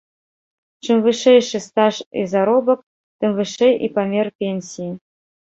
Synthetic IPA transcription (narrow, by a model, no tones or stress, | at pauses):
ʂɨ̆mvɨʂejʂɨ̆st̪ɑʂḭzaɾobɤ̆k̚ | t̪ɘ̆mvɨʂejḭpamʲerpʲenʲsʲiji